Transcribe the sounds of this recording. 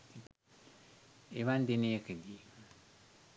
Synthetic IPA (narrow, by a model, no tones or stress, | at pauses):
eβandenekɨdi